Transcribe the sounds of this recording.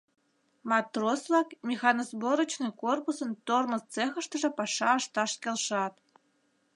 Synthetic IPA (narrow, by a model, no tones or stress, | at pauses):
mɑt̪roslɑkmʲixɑnozboɾə̆t͡ɕnɨkorpusə̆nt̪ormə̆st͡sexə̆ʃt̪ə̆ʒĕpɑʃɑɑʃt̪ɑʃkʲelʃɑt̪